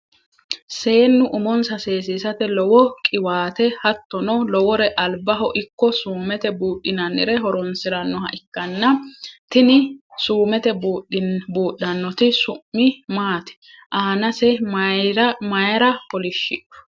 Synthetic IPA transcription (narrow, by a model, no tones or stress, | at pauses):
se̞ːnːʊʔʊmɔnsɐse̞ːsisɐt̪ɛlɔwɔkʼɪwaːt̪ɛhɐt̪ːɔnɔlɔwɔɾɛʔɐlbɐɦɔʔɪkːɔsuːmɛt̪ɛbuːʔɪnɐnːɪɾɛɦɔɾɔnsɪɾɐnːɔhɐʔɪkːɐnːɐt̪ɪnɪsuːmɛt̪ɛbuːɗbuːɗːɐnːɔt̪ɪsʊːɪmaːt̪ɛ̥ | ʔaːnɐsɛɾmɐjɐɾɐpɔlɪʃːɪᶑɔ̥